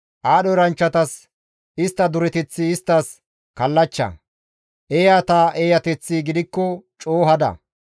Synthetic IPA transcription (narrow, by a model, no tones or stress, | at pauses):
ʔaːɗɔɾɐnt͡ʃːɐt̪ɐs | ɪst̪ːɐd̪ʊɾɛt̪ɛt͡sːiːst̪ːɐs | kɐlːɐt͡ʃːɐ̰ | ʔejaːt̪aːʔeːjɐt̪ɛt͡sːiɡɪd̪ɪkːɔt͡ʃʼoːɦɐd̪ɐ̰